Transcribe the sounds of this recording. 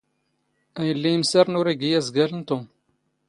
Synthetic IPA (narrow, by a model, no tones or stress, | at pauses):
æjəlːijəmsæɾnʊɾæɡijæzɡælənt̪om